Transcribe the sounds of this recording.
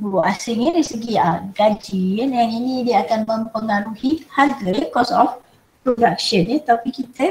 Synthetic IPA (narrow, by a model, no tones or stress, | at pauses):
basiŋeɾisɨɡiaɡad͡ʒiənjaŋinideakanməmpəŋaɾuhihalt̪əekɔsɔf | pɾodakʃənet̪apikit̪ʰə